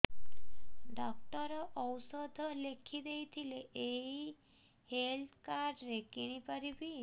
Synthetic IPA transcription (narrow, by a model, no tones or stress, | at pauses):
ɖɔk̚ʈɔɾɔʔɔwsɔd̪ʱlekʰid̪ejt̪ʰileʔeɦi | helt̪kaɾɖɾekiɽ̃ipəɾibi